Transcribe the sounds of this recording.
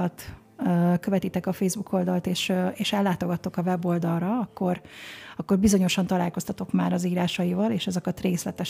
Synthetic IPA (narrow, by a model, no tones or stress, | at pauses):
t̪ | øːkø̞vɛt̪it̪ɛkɒfeːzbukʰo̞ld̪ɒlt̪eːʃeːʃɛlːaːt̪o̞ɡɒt̪ːokɒvɛbo̞ld̪ɒlrɒɒkːo̞rɒkːo̞rbizo̞ɲo̞ʃɒnt̪ɒlaːlko̞st̪ɒt̪o̞kmaːɾɒziːɾaːʃɒjivɒleːʃɛzɒkɒt̪reːslɛt̪ɛʃ